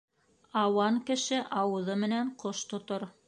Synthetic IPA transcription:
ɑwɑŋkɘ̆ʃɘʔɑwɤ̆ðɤmɘ̆næɴqoʃt̪ŏt̪oɾ

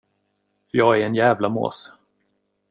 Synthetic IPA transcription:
fœjɑːɡæɾɛnjæːvlamo̰ːs

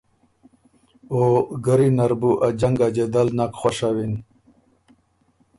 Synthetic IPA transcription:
oɡəɾinaɾbuʔad͡ʑaŋɡad͡ʑad̪alnakχwaʂawin

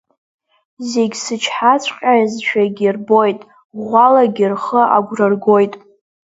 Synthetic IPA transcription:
zeɡʲsɨt͡ʃʰħat͡sʷʰʼqʲʼazt͡ʃʷᶣʰaɡʲirbo̞jtʼ | ʁʷalaɡʲirχəʔa̰ɡʷrɨrɡo̞jtʼ

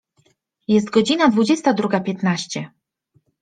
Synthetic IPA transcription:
jɛst̪̚ɡɔd͡ʑinad̪vud͡ʑɛst̪ad̪ɾuɡapʲjɛt̪naɕt͡ɕɛ

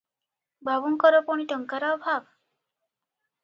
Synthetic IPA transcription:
bʱabuŋkəɾɔpoɳ̃iʈəŋkaɾawbʱaɡ

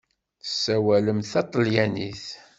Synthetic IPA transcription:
θə̥sːæwæləmθɑt̪ˤəljæniθ

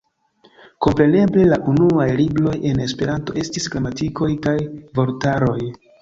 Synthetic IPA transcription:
ko̞mpɾe̞ne̞ble̞laʔunuajlibɾo̞je̞ne̞spe̞ɾanto̞ʔe̞stisɡlamatiko̞jkajvo̞ltaɾo̞j

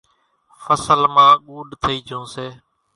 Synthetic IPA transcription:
fəsəlmãːɠuːɗt̪ʰəiːd͡ʒʰʱõːseː

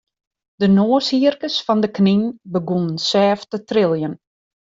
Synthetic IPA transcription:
d̥ənoːəshiərkəsfɔndəkninbəɡunənsɛːftətrɪlˠjən

